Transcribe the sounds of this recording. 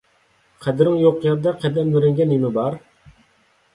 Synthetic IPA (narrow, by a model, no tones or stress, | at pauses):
qʰɛd̪ɪɾɪŋjoqːjɛɾd̪ɑqʰɛd̪ɛnmyɾɛŋɡʲɛnimɪbɑɾ